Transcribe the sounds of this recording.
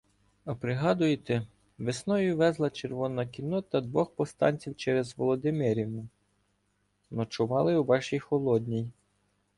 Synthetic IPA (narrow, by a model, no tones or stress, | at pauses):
ɐpɾɪɦɑd̪ʊjet̪ɛ | ʋesnɔjʊʋɛzlˠɐt͡ʃerʋɔnɐkʲinɔt̪ɐd̪ʋɔxpɔst̪ɑ̰nʲt͡sʲiwt͡ʃɛɾezʋɔlˠɔd̪ɪmɪɾʲiwnʊ | nɔt͡ʃʊʋɑlˠɪuʋɑʃijxɔlˠɔd̪̚ʲnʲij